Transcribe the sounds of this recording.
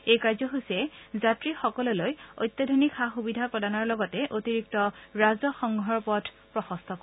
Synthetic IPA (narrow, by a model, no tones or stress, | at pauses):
ejkaɹzɔɦosɛzatɹixɔkɔlɔlojo̰jt̪ːadʱonikxaxubidʱakɔdanɔɹlɔɡɔtɛʔotiɹik̚tɔɹazɔxɔŋɡʱɔɹpɔdʰ | pɹɔxɔst̪ʰɔk